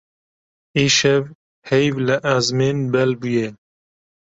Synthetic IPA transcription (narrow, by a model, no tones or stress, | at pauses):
iːʃɛv | hɛjvlɨʔazmeːnbɛlbuje